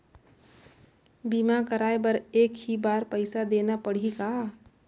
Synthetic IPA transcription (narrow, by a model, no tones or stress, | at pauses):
bimakəɾaːebəɾeːkhibaːɾpəɪsad̪eːnapəɽ̤ika